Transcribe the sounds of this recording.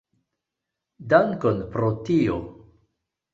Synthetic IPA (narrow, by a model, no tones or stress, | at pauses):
daŋkonpɾotio